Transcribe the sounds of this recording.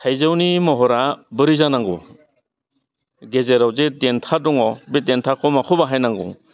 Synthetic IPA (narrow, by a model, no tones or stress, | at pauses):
tʰajzawnimɔɦɔɾabɯɾizanaŋɡɔ | ɡezeɾawzedentʰadɔŋɔbedentʰakʰɔmakʰɔbaɦajnaŋɡɔ̰